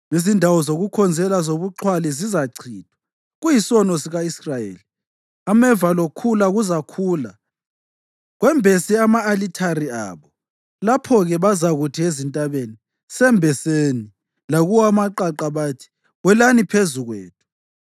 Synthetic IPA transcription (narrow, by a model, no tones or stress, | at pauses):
izindʱawɔzoɣukʰɔnd͡zʱɛlazoβuǃʰwalizizaǀʰiːtʰwḁ | ɣujisɔnɔsiɣaisrajḛːli | amɛvalokʰulaɣuzakʰuːla | ɣwɛmbʱesiamaːlitʰaria̰ːβɔ | lapʰɔɣɛβazaɣutʰiezintʼaβeni | sɛmbʱɛseni | laɣuwamaǃaǃaβaːtʰi̥ | ɣwɛlanipʰezuɣwḛːt̚ʰu̥